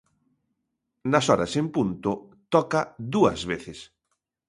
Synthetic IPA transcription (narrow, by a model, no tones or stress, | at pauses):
nɐsɔɾɐ̰sempunt̪ʊt̪ɔkɐd̪uɐ̰zβeθɪs